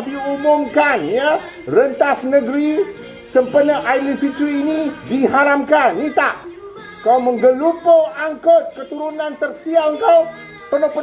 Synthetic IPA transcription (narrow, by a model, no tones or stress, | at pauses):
diumʊmkanja | rənt̪asnəɡɾi | səmpənəʔajlitit͡ʃuinidiɦaɾamkanit̪aʔ | kawməŋɡəlupoaŋkət̪̚kət̪uɾunant̪ərsialəŋkaw | pərnopə